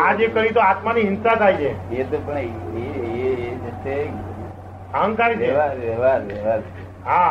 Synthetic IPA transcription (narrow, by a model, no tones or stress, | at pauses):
ad͡ʒekəɾit̪oat̪maniɦɪnsat̪ʰait͡ʃʰeet̪opəɳeeed͡ʒət̪e | əɦə̃ŋkaɾineʋaʋeʋaɾʋeʋaɾ | ɦa